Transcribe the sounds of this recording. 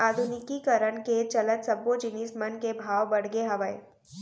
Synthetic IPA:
aːd̪ʱʊnɪkikəɾəɳ̃ket͡ʃɐlət̪sɐbod͡ʒɪnismənkebʱaːʋbɐɽ̤ɡeɦɐʋəe

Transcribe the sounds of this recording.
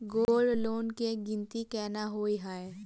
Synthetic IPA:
ɡoːlɖloːnkeɡɪ̃nt̪ikɛːnaɦoːiɦaːe

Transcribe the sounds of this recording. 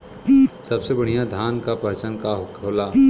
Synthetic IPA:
sɐbsebɐɽ̤ijãd̪ʱaːnkapəɦt͡ʃənkaɦʊkʰoːlaː

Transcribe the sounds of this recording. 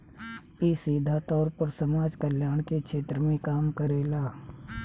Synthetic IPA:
isiːd̪ʱat̪ɔːɾpəɾsɐmaːd͡ʒkəljaːɳ̃kekʃʰeːt̪ɾəmẽkaːmkəɾeːlaː

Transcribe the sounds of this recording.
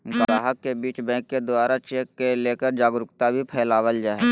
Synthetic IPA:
bəɾaːɦəkːebiːt͡ʃbɛ̃ːkːed̪ʊaːɾat͡ʃeːkːeleːkəɾd͡ʒaːɡɾʊkt̪abʱipʰɛːlaːwəld͡ʒaːe

